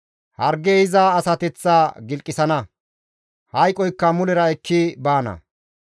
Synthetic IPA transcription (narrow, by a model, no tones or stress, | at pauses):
hɐɾɡehɪzaːsɐt̪ɛt͡sːaːɡɪlkʼːɪsɐnɐ | hɐjkʼɔjkːɐmʊlɛɾɐɛkːɪbaːnɐ̰